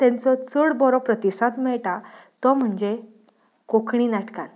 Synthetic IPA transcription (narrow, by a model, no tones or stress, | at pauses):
t̪ɛ̃nt͡sɔt͡səɽbɔɾɔpɾət̪isãt̪mɛɭʈat̪ɔm̤əɳd͡ʑe | kokʰɳinaʈkan